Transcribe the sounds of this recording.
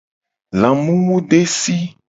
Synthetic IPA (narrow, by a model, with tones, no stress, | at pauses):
lã˨mũ˦wu˦ɖe˦si˦